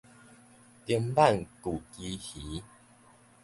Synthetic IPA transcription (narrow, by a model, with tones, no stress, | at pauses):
t̪ə˧mba˥˨nku˨˩ki˧hi˨˦